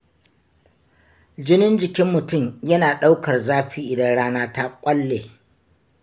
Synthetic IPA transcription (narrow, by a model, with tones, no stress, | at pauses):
d͡ʒɪ˦nɪ˦nd͡ʒɪ˨kʲɪ˦mːʊ˨tʊ˦˨mjɐ˦naː˨ɗa˦wkɐ˨rzaː˦ɸiː˦ʔɪ˨dɐ˦nɽaː˦naː˦ta˦kʷʼɐ˦lːeː˨